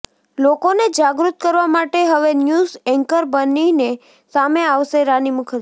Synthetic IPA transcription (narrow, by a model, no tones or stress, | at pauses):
lokoned͡ʒaɡɾut̪̚kəɾʋamaʈeɦəʋenjuzɛŋkəɾbənine | sameaʋʃeɾanimukʰə